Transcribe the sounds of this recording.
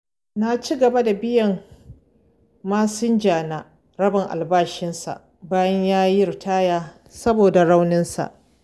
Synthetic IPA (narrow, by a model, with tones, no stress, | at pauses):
na˨t͡ʃi˦ɡɐ˨ba˦da˨bɪ˦jɐ˨ŋ | maː˦sɪ˦nd͡ʒaː˨naː˦ | ɾɐ˦bɪ˨ŋʔa̰˨lbaː˦ʃɪ˦nsa̰˨ʔ | baː˦jɐ˦ɲjaː˦jɾtʰaː˦jaː˦ | sɐ˦boː˨da˨ɽa˦wnɪ˦nsa̰˨ʔ